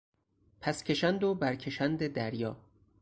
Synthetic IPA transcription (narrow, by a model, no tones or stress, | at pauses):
pʰæscʰʲe̞ʃænd̪obæɾcʰeʃænd̪e̞d̪æɾjɒː